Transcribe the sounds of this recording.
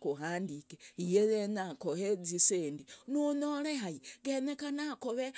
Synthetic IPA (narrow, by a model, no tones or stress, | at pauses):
kuɦaːndikeijejenakoheziseːndinunoɾeɦaiɡenekanakoβe